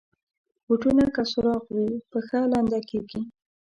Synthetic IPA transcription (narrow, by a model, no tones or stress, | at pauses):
wuʈunakasʊɾɑqwipəxalɑnd̪akeɡi